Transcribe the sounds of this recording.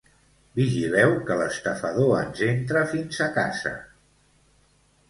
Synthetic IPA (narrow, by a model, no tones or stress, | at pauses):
biʒilɛwkələst̪əfəðoə̰nzent̪ɾəfinzəka̰zə̰